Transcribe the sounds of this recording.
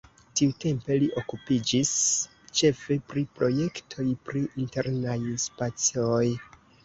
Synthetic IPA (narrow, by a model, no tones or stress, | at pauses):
tiute̞mpe̞liʔo̞kupid͡ʒis | t͡ʃe̞fe̞pɾipɾo̞je̞ktʰo̞jpɾiʔinte̞ɾnajspat͡sioj